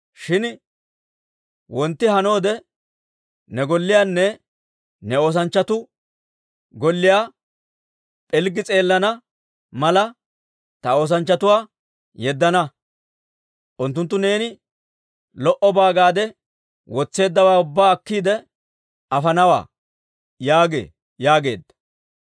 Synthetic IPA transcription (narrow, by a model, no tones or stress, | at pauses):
ʃɪn | wɔnt̪ːɪɦɐno̞ːd̪ɛ | nɛɡɔlːɪjaːnːɛ | nɛo̞ːs̬ɐnt͡ʃːɐt̪ʊ | ɡɔlːɪjaː | pʼɛlɡɪt͡sʼe̞ːlːɐnɐ | mɐlɐ | t̪ɐo̞ːs̬ɐnt͡ʃːɐt̪ʊwaː | jɛd̪ːɐnɐ | ʔʊnt̪ːʊnt̪ːʊne̞ːnɪ | lɔʔɔbaːɡaːd̪ɛ | wɔt͡sːe̞ːd̪ːɐwaːʊbːaːɐkːiːd̪ɛ | ɐfɐnɐwa̰ː | jaːɡḛː | jaːɡe̞̰ːd̪ːɐ̥